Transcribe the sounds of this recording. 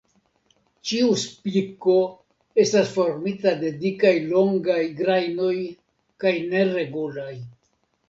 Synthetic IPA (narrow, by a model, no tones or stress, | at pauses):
t͡ʃiuspiko̞ | e̞stasfo̞ɾmitade̞dikajlo̞ŋɡajɡɾajno̞j | kajne̞ɾe̞ɡulaj